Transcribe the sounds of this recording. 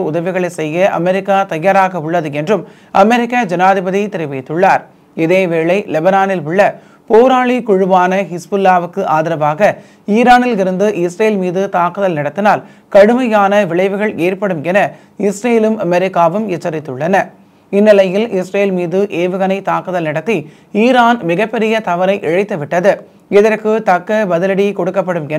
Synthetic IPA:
ʊðɐʋɪɣɐɭɐɪsɛjːɐʔɐ̰mɛɾɪkːaːt̪ɐjaːɾaːɣɐʊɭːɐðɯɛndrɯm | ɐmɛɾɪkːad͡ʒɐnaːðɪbɐðit̪ɪɾɪʋɐɪt̪ːɯɭːaːɾ | ɪðeːʋeːɭɐɪlɛbɐnaːnɪlʊɭːɐ | poːɾaːɭikʊɻɯʋaːnɐɦɪsbɯlːaːʋɯkːɯʔaːðɪɾɐʋaːɣɐ | iːɾaːnɪlɪɾɯnd̪ɯʔɪsɾeːlmiːðɯt̪aːkɯðɐlnɪɽɐt̪ːɪnaːl | kɐɽɯmɐjaːnɐʋɪɭɐɪʋɯɣɐɭeːrpɐɽɯmɛnɐ | ɪsɾejlɯmʔɐmɛɾɪkːaːʋɯmɛt͡ʃːɐɾɪt̪ːɯɭːɐnɐ | ɪnːɪlɐjɪlɪsɾeːlmiːðɯʔeːʋɯɣɐnɐɪt̪aːkɯðɐlnɪɽɐt̪ːi | iːɾaːnmɪɣɐpːɛɾɪjɐt̪ɐʋɐɾɐɪʔɛɻɐɪt̪ːɯʋɪʈːɐðɯ | ɪðɐrkɯt̪ɐkːɐbɐðɪlɐɽikɔɽɯkːɐpːɐɽɯmɛn

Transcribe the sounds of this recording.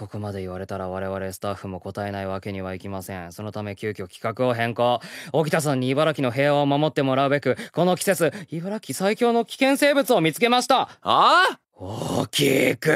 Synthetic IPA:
ko̞ko̞mad̪e̞iβ̞aɾe̞t̪aɾaβaɾe̞βaɾe̞sɨ̥t̪aɸːɯ̟mo̞ko̞t̪ae̞naiβake̞ɲ̟iβ̞aikʲimasẽ̞̰ɴ̃so̞no̞t̪ame̞kʲɨːkʲo̞kʲi̥kakɯ̟o̞ɦẽ̞ŋko̞ːoɡʲit̪as̬ãɲ̟ːiːbaɾakʲino̞ɦe̞ːaomamo̞t̪ːe̞mo̞ɾaɯ̟be̞kɯ̟ko̞no̞kʲi̥se̞t͡sɨibaɾakʲisaikʲo̞ːno̞kʲi̥kẽ̞se̞ːbɯ̟t͡sɨo̞mʲit͡sɨ̥ke̞maɕi̥t̪aa | okʲʰikɯ

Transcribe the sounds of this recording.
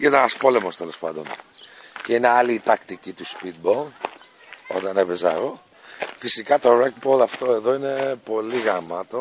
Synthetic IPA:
inɐɐspo̞le̞most̪e̞lo̞spɐ̰nd̪o̞̰nceine̞ɐliːt̪ɐkt̪icit̪uspit̪̚bol | o̞̰t̪ɐnepezɐ̰ɣo | fisikɐt̪o̞ɾek̚bolɐft̪o̞e̞ðo̞ine̞po̞liɣɐmɐt̪o̞

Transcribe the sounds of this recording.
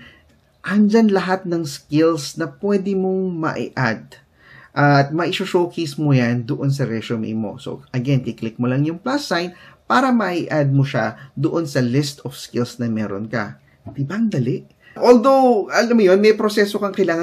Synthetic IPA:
ʔɐnd͡ʒanlɐɦat̪̚nɐŋskɪlsnɐpwɛːd̪ɪmoŋmɐ̰ʔḭʔad̪̚ | ʔɐt̪̚mɐʔɪʃoʃoːwkʰijsmojand̪oʔo̞ns̬ɐɾɛʃomḭjmo̞̰so̰ʔɐɡɛnkɪklɪk̚molɐŋjʊŋplasajnpaːɾɐmɐʔiʔad̪̚moʃad̪oʔo̞nsɐlɪst̪ofskɪlsnɐmɛːɾo̰nkɐ̰ | d̪ɪbaŋd̪ɐlɛʔ | ʔold̪o̞wʔɐlamːojo̞nmɛjpɾosɛsokɐŋkɐjlaːŋɐ

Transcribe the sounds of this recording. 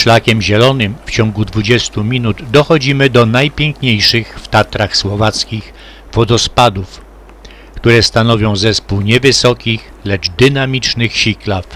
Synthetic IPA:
ʂlakʲɛmʑɛlɔnɘmft͡ɕɔŋɡud̪vud͡ʑɛst̪umʲinud̪d̪ɔxɔd͡ʑimɘd̪ɔnajpʲjɛŋkɲejʂɘxft̪at̪ɾaxswɔvat̪skʲix | fɔd̪ɔspad̪uf | kt̪uɾɛst̪anɔvʲjɔ̃w̃zɛspuwɲɛvɘsɔkʲix | lɛd͡ʐd̪ɘnamʲit͡ʂnɘxɕiklaf

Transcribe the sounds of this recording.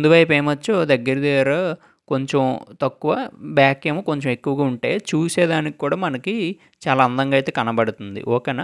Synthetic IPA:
nd̪uʋɐjpeːmɐt͡ʃːod̪ɐɡːɐɾid̪ɛjaːɾa | ko̞ɲt͡ʃemt̪ɐkːuʋɐbjaːkeːmoːko̞ɲt͡ʃɐme̞kːuʋɐɡaːuɳʈe̞ːt͡ʃuːsɛːd̪aːniki̥kːuːɽaːmɐnɐki | t͡ʃaːlaːɐnd̪ɐŋɡaːjt̪e̞ːkɐnɐbɐɽut̪und̪ḭʔɔːkɐnɐ

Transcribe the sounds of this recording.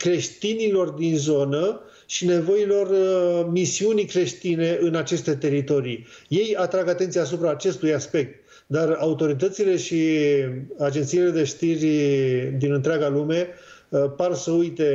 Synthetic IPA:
kɾe̞ʃt̪inilo̞rd̪inzo̞nə | ʃine̞vo̞ilo̞rmisiunikɾe̞ʃt̪ine̞ʔɨnat͡ʃe̞st̪e̞t̪e̞ɾit̪o̞ɾij | je̞jat̪ɾaɡat̪e̞nt̪siaːs̬upɾaːt͡ʃe̞st̪ujaspe̞k̚t̪̚ | d̪araut̪o̞ɾit̪̬ət̪sile̞ʃi | ad͡ʒe̞nt̪sijile̞d̪e̞ʃt̪irʲd̪inɨnt̪ɾʲaɡalume̞parsəujt̪e̞

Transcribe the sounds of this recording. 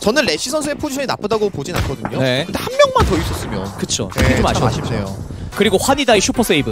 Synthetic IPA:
t͡ɕʌnɯɭːe̞ɕ͈ʰisʰʌnsʰɯepʰod͡ʑiɕʰʌɲinap͈ɯdaɡopod͡ʑina̰nkʰʌdɯɲone̞kɯndehanmjʌŋmantʌis͈ʌs͈ɯmjʌnkɯt͡ɕʰo̰ed͡ʑomaɕiaɕʰimsʰejo | kɯɾiɡoɸwaɲidaiɕʰupʰʌs͈ʰeibɯ

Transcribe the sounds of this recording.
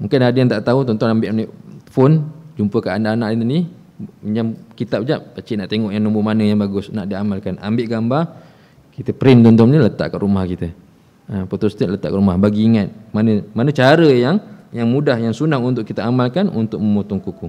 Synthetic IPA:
muŋkɪnadəjant̪aʔt̪aɦut̪ɔnt̪ɔnambɪʔniʔfond͡ʒumpəkaʔanaʔanaʔlinni | ɲd͡ʒamkit̪ap̚d͡ʒap̚kat͡ʃiʔnaʔt̪eŋɔʔjaŋnumbumanəjaŋbaɡʊsnaʔdiamalkana̰mbɪʔɡamba | kit̪əpɾɪnt̪ɔnt̪ɔmɲələt̪a̰ʔkaʔɾumahkit̪ə | əpot̪ɔst̪ɛʔlət̪a̰ʔkaʔɾumahbaɡiːŋat̪̚manəmanət͡ʃaɾəjaŋjaŋmudahjaŋsunaŋunt̪ʊʔkit̪əamalkanṵnt̪ʊk̚məmot̪uŋkuku

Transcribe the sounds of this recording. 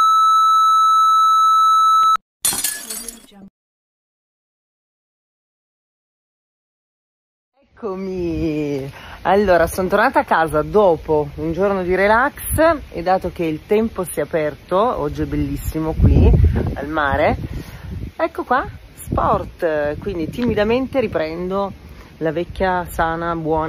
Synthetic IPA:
ɛkːomi | alːoːɾasonot̪ornaːt̪akːaːzad̪oːpound͡ʒornod̪iɾelaksḛd̪ːaːt̪ok̟eilt̪ɛmposiːaːpɛrt̪oɔ̰d͡ʒːiɛbelːisːimokwia̰lmaːɾe | ɛkːokwa | spɔrt̪kwind̪it̪imid̪ament̪eɾipɾɛnd̪o | lavɛkːjasaːnabwɔːn

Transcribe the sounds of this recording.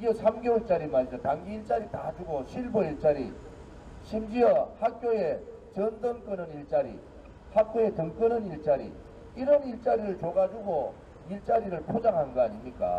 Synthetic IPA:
ɡʌsʰamɡeut͡ɕ͈aɾimaɭd͡ʑʌtaŋɡiːɭt͡ɕ͈aɾitad͡ʑuɡoɕʰiɭboiɭt͡ɕ͈aɾḭ | ɕʰimd͡ʑiʌhak̚k͈joje | t͡ɕʌndɯŋk͈ɯnɯniɭt͡ɕ͈aɾḭ | hak̚k͈joe̞tɯŋk͈ɯnɯniɭt͡ɕ͈aɾḭ | iɾʌniɭt͡ɕ͈aɾiɾɯɭt͡ɕoɡad͡ʑuɡo | iɭt͡ɕ͈aɾiɾɯɭpʰod͡ʑaŋɦanɡɯaɲimɲik͈a̰

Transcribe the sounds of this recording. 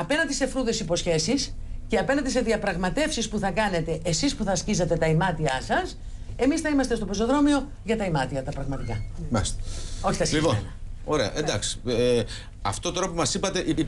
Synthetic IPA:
ɐpe̞nɐnd̪ise̞fɾuðe̞sipo̞sçe̞sisceɐpe̞nɐnd̪ise̞ðiɐpɾɐɣmɐt̪e̞fsispuθɐkɐne̞t̪e̞ʔːsispuθɐːscizɐt̪e̞t̪ɐimɐt̪iɐsɐs | e̞misθɐimɐst̪e̞st̪o̞poso̞ðɾo̞mio̞ | ʝɐt̪ɐimɐt̪iɐt̪ɐpɾɐɣmɐt̪ikɐmɐ̰st̪o̞çi̥t̪ɐslipoɐoɾeɐ̰ʔend̪ɐksi̥ | ɐft̪ot̪ɾo̞pomɐsipɐt̪e̞ʔi

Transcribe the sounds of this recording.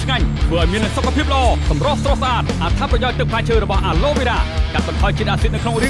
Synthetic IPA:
t͡ɕʰŋaɲt̪ʰʋəːʔaɔjmiənːasokʰːapʰiəp̚lə̆ʔɑːsɑmrŏhsrohsaːt̪̚ʔat̪ʰaprɑjaɔc̚t̪ɨk̚pʰaːɲt͡ɕʰəːɾɔɓɑhʔaːloːɓiɾaːkat̪̚ɓɑnt̪ʰɑɔjt͡ɕiət̪ʔaːsit̪̚nɨwkʰnoŋriə

